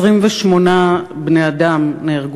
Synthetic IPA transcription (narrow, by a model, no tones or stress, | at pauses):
ʁimveʃmo̞nabneadamneːʁɡ